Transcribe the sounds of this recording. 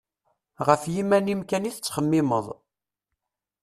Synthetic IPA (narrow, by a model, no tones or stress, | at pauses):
ʁəfjimænimkæniθət͡sːχəmːɪməðˤ